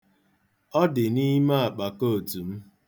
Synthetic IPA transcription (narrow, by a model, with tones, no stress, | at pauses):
ɔ˦dɪ˨ni˦ma˦a˨k͡pa˨ko˦o˨tu˨m̩˦